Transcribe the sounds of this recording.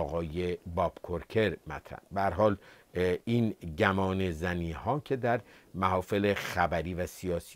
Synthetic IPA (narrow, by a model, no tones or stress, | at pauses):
ɣɒːjebɒːb̥kʰoɾcʰe̞ɾmæ̰t̪ʰɾæ̰nbeæɾɦɒːl | iːnɟæmɒːnezæniːhɒːcʰe̞d̪æɾmæɦɒːfelexæbæɾiːvæsiɒːsi